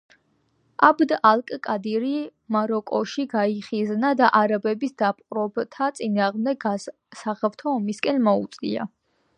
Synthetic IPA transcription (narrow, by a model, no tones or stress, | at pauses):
ʔabd̪alˠkʼkʼad̪iɾimaɾɔkʼɔʃiɡaiχiznad̪aʔaɾabɛbisd̪ap̚ʼqʼɾɔbt̪ʰat̪sʼinaːʁmd̪ɛɡa | saχɛft̪ʰɔːmiskʼɛnmɔut̪sʼḭa̰